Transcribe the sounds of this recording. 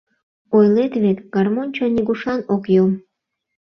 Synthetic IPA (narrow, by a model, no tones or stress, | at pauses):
ojlet̪βek̪ɡ̥ɑrmonʲt͡ɕonʲiɡuʃɑnokjom